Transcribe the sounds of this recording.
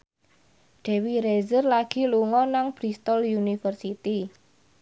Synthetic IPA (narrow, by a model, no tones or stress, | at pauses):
ɖ̥e̤wiɾezərlaɡ̥i̤luŋɔnaŋb̥ɾist̪ɔljunifərsit̪i